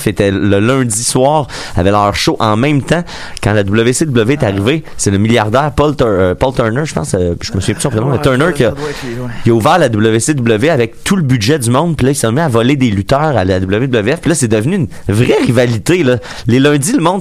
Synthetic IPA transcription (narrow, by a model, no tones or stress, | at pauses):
fet̪ɛləlœ̃d͡z̪iswɑːʁ | a̰vɛlœːʁʃoʔɑ̃mɛ̃mt̪ã | kɑ̰̃lad̪ubləvesed̪ubləveɛt̪aʁivesɛləmiljaʁd̪æːʁpɔlt̪ːpɔlt̪œ˞nə˞ʒə̥pɑ̰̃səʒəməsɥvjɛ̃py̥sɔ̃pʁɛmãɛt̪œnəkʌkjəuvæːʁlad̪ubləvesed̪ubləveavɛk̚t̪ʰuləbydʒɛdd͡zymɔ̃d̪pilʌisɔ̃miavɔled̪elyt̪œːʁalad̪ubləved̪ubləveɛfpilʌsɛd̪əvnyːn | vʁɛʁivalit̪elʌ | lelœ̃d͡z̪iləmɔ̃d̪